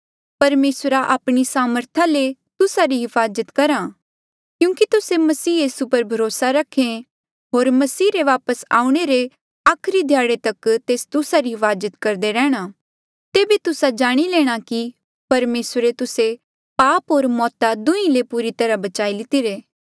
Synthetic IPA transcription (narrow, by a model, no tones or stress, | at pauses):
pɐɾmeːsɾaʔaːpɽ̃isaːməɾt̪ʰãlet̪ʊsaɾiɦɪfaːzət̪kɐɾã | kjũːkit̪ʊsemɐsiːjiːsupɐɾbʱɐɾoːsaɾɐkʰːẽ | ɦoːɾmɐsiːɾeʋaːpəsa̰ːũɽ̃eɾe | aːkʰɾid̪ʱjaːɽet̪ɐkt̪eːst̪ʊsaɾiɦɪfaːzət̪kɐɾd̪eɾɛːɽ̃a | t̪eːbit̪ʊsad͡ʒaːɽ̃ileːɽ̃aki | pɐɾmeːsɾet̪ʊse | paːpɦoːɾmɔːt̪ad̪ʊ̃ĩlepuːɾit̪ɐɾabɐt͡ʃaːilɪt̪iɾeː